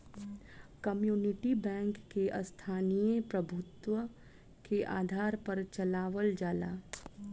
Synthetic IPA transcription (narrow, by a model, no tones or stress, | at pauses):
kɐmjuːnɪʈibɛ̃ːŋkːeʔɐst̪ʰaːnijəpɾɐbʱʊt̪wə | keʔa̰ːd̪ʱaːɾpɐɾt͡ʃɐlaːʋəld͡ʒaːla̰ː